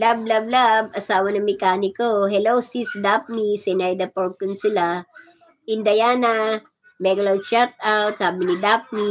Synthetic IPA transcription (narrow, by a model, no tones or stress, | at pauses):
lab̚lablabʔɐsaːwɐnɐŋmɛkaːnɪkoɦɛlowsisd̪ap̚nisɛnajd̪ɐpoɹkːʊnsɪla | ʔɪnd̪ɐjaːnɐ | mɛɡlɐwʃat̪̚ʔawt̪̚saːbɪnɪd̪ap̚ni